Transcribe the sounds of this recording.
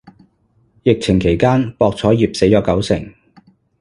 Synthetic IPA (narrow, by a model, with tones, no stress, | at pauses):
jɪ˨k̚t͡sʰɪ˨˩ŋkʰe˨˩jkaː˥npɔː˧k̚t͡sʰɔː˨˥jiː˨p̚se˨˥jɔː˨˧kɐ˨˥wsɪ˨˩ŋ